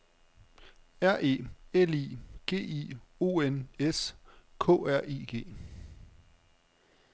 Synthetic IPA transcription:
æɐ̰ʔe̝̰ːelḭːɡ̥e̝̰ːḭo̝̰ːeneskʰɔ̰̽ːæɐ̰ḭːɡ̥e̝̰ː

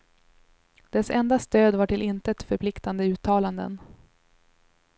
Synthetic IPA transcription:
d̪̥ɛsɛ̰nd̪ast̪øːd̪vaʈɪlɪnt̪əɛt̪fœɾpʰlɪkt̪and̪əʉ̟ːt̪ʰɑːland̪ə̰n

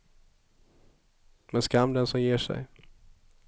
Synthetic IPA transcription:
mɛnskamːd̪ɛnsɔmjeːʂɛ̰j

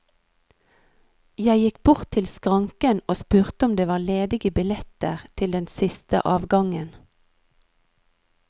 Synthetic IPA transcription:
jæɪjɪkbʊʁt̪ʰɪlskʁɑŋkənoːspʉːʁt̪əɔmd̪eːʋɑːleːd̪ɪɡəbɪlɛt̪əʁt̪ʰɪld̪ɛnsɪst̪ə̰ʔɑːʋɡɑŋən

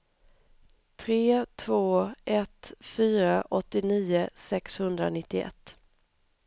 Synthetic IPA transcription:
t̪ʰɾeːt̪ʰvoːʔɛt̪fyːɾaʔɔt̪ːɪniːʊsɛkshɵnd̪ɾa̰nɪt̪ːɪɛ̰t̪ː

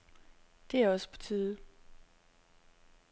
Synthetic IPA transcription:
d̥e̝æɐɒ̽sə̥pʰɒ̥̽t͡sʰiːðˠə

